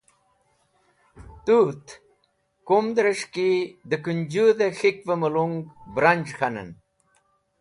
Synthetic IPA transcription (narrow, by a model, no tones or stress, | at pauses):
t̪ut̪ | kumd̪ɾɐʂkid̪əkund͡ʑud̪exikvɐmɐluŋɡbɾɐnʲd͡ʑxɐnɐ̰n